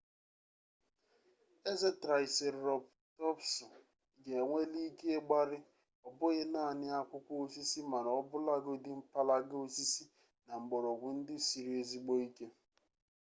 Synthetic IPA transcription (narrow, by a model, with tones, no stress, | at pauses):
e˦ze˦tɾa˨ɪ˨se˨ɾɾɔ˨b | tɔ˦psʊ˨ | ɡe˨ŋʷe˦li˦ke˦e˦ɡ͡ba˦ɾɪ˦ | ɔ˨bʊ˦ɣɪ˦na˦˨nɪ˦a˦kʷʊ˦kʷu˦o˦si˦si˦ma˨ɾɔ˦bʊ˦la˦ɡo˦dɪ˦m̩˦pa˦la˦ɡo˦si˦si˦ | na˨ŋ͡m̩˨ɡ͡bɔ˨ɾɔ˨ɡʷʊ˨n̩˦dɪ˦si˨ɾi˨˦e˦˨zi˦ɡ͡bo˦i˦ke˦